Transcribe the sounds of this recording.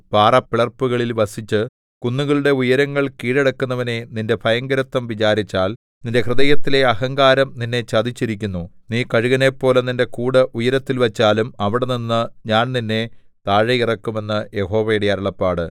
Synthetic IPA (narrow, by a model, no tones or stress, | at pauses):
paːrɐpːiɭɐrpːuɣɐɭilʋɐsit͡ɕːɨ | kunːuɣɐɭuɽe̞ujɐɾɐŋːɐɭkiːɽeɽɐkːunːɐʋɐne̞ninde̞bʱɐjɐŋɡɐɾɐt̪ːɐmʋit͡ɕaːɾit͡ɕːaːl | ninde̞krɨðɐjɐt̪ːile̞ɐhɐŋɡaːɾɐmninːe̞t͡ɕɐd̪ʱit͡ɕːiɾikʲːunːuniːkɐɻuɣɐne̞pːo̞ːleninde̞kuːɽɐʔujɐɾɐt̪ːilʋɐt͡ɕːaːlumɐʋiɽe̞ninːɨɲaːnninːe̞ | t̪aːɻɐjirɐkːume̞nːɨje̞ho̞ːʋɐjiɽijaɐɾɐɭɐpːaːɽɨ